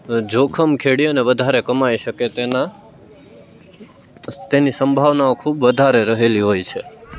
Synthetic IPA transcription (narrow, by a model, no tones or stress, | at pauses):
d͡ʒokʰəmkʰeɽiəneʋəd̪ʱaɾekəmaiʃəket̪ena | t̪enisəmbʱaʋnaokʰubʋəd̪ʱaɾeɾəɦeliɦojt͡ʃʰe